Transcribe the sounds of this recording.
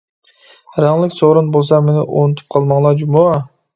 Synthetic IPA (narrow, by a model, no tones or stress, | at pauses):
ɾɑɴlˠɯksoɾunbolˠs̬ɑmenɪʔont̪ʰu̥p̚qʰɑlˠmɑɴlˠɑd͡ʒumo